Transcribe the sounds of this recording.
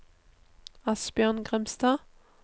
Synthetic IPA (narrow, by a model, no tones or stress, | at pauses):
ɑsb̥jœʁnɡʁɛmst̪ɑː